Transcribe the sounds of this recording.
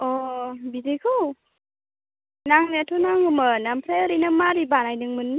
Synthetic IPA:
ɔbidekʰɯ | naŋnaatʰɔnaŋɯmanampʰɾajəɾinɯmaɾibanajnɯŋmɯn

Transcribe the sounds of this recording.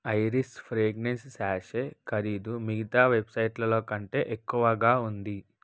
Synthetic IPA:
ɐjɾispʰɾeːɡnenssaːʃeːkɐɾiːd̪umiɡit̪aːʋe̞bsɐjʈlɐlo̞ːkɐɳʈe̞̰ːʔekːuʋɐɡaːund̪i

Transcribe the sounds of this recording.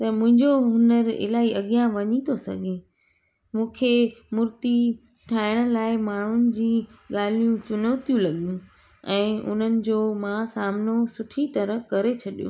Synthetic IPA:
t̪ɐmʊ̃ɦɪ̃ɲd͡ʑoɦʊnəɾɪ̰laːiɐɠijãʋɐɲit̪osɐ̰ɡʱe | mũːkʰemʊɾt̪i | ʈʰaːɪɽ̃ə̆laːɪmaːɳ̤ʊnɪ̆d͡ʑiːɠaːl̤ijũt͡ɕʊnəːt̪ijũlɐɠijũ | ɛ̃ːʔʊ̰n̤ənɪ̆d͡ʑoːmãsaːmnosʊʈʰit̪ɐɾəkɐɾet͡ɕʰɐɗijṵ̃ː

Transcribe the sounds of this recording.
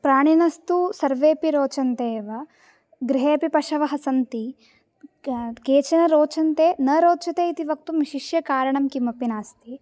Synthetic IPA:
pɾaːɳinɐst̪usɐɾʋeːpiɾoːt͡ʃɐnt̪eːʋɐ | ɡɾiɦeːɐpipɐʂɐʋɐɦɐsɐnt̪i | keːt͡ʃɐnɐɾoːt͡ʃɐnt̪eːnɐɾoːt͡ʃɐt̪eːit̪iʋɐk̚t̪umiʃiʃjɐkaːɾɐɳɐmkimɐpinaːst̪i

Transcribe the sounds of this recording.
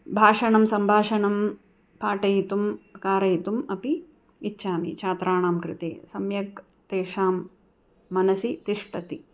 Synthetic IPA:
bʱaːʂɐɳɐmsɐmbʱaːʂɐɳɐm | paːʈɐjit̪umkaːɾɐjt̪umɐpiː | tːʃʰaːmḭt͡ʃʰaːt̪ɾʔaːɳaːmkɾɪ̰t̪ḛːsɐmjɐk | t̪eːʂaːmː | ɐnɐsit̪iʂʈɐt̪i

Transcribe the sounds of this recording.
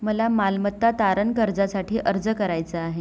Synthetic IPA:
məlamalmət̪ːat̪aɾənkəɾd͡zasaʈʰiːʔəɾd͡zəkəɾajt͡səaɦe

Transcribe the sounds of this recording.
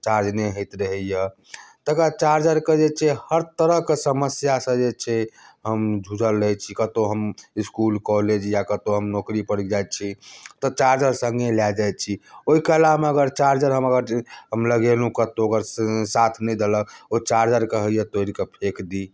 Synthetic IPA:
t͡ʃaɾd͡ʒneɦəjt̪ɾəɦəjə | t̪əkat͡ʃaɾd͡ʒəɾked͡ʒet͡ʃʰehəɾt̪əɾəɦkesəməsjasə̃d͡ʒet͡ʃʰeɦəmd͡ʒʱud͡ʒəlːət͡ʃʰikət̪oɦəmiskulkɔled͡ʒjakət̪oɦəmnɔkɾipəɽid͡ʒajt̪t͡ʃʰit̪ɔt͡ʃaɾd͡ʒəɾsəŋɡeljad͡ʒaj̪̚t͡ʃʰioikəlameəɡəɾt͡ʃaɾd͡ʒəɾɦəməɡəɾɦəmləɡelukət̪oəɡəɾsat̪ʰnɛjd̪eləkot͡ʃaɾd͡ʒəɾkəɦəjət̪oiɾikepʰekd̪i

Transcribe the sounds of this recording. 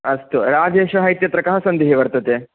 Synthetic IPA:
ɐst̪uɾaːd͡ʒeːʃɐɦɐjt̪jɐt̪ɾɐkaɦɐsɐnd̪iɦeʋɐɾt̪ɐt̪e

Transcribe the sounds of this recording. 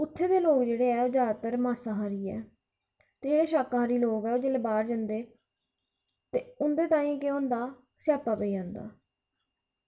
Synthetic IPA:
ʊt̪ʰːeːd̪eːloːkd͡ʒeːɽeːɛːoːd͡ʒaːt̪əɾmaːsãːɦaːɾiːɛ̰ː | t̪eːd͡ʒeːɽeːʃaːkːaːɾiːloːɡɛːoːd͡ʒəlbaːɾd͡ʒənd̪eː | t̪eːʊnd̪eːt̪aːĩːkeõːnd̪aː | sjaːpaːpəiːd͡ʒãːnd̪a̰ː

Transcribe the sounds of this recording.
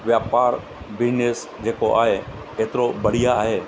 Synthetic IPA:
ʋjaːpaːɾ | ʋɪnes | d͡ʑeːkoʔa̰ːɦe | eːt̪ɪɾobɐɽ̤ijaːɦeː

